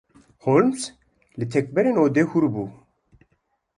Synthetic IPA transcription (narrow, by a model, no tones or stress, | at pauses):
holms | lɨt̪ʰɛk̚bɛɾeːnoːd̪eːhuɾbuː